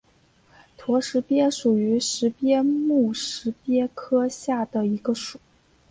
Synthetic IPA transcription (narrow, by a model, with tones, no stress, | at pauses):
t̪ʰwɔ˧˥ʂɻ̩˧˥pjɛ˥ʂu˨˩y˧˥ʂɻ̩˧˥pjɛ˥mu˥˩ʂɻ̩˧˥pjɛ˥kʰɤ˥ɕja˥˩d̪ə˩i˧˥ɡə˧ʂu˨˩˦